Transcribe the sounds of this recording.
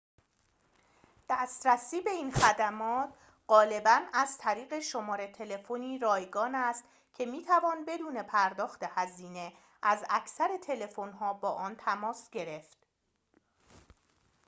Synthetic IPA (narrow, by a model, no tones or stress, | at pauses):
d̪̥æːst̪ɾæsiːbe̞iːnxæd̪æmɒːt̪ʰ | ɢ̥ɒːle̞bænæz̥t̪ʰæɾiːɣe̞ʃo̞mɒːɾet̪ʰe̞le̞foniːɾɒːjɡɒːnæst̪ | cʰe̞miːt̪ʰævɒːnbe̞d̪uːne̞pʰæɾd̪ɒːxt̪e̞hæziːne̞ | ʔæzæcʰsæɾe̞t̪ʰe̞le̞fo̞nɦɒːbɒːʔɒːnt̪ʰæmɒːsɟe̞ɾe̞ft̪̚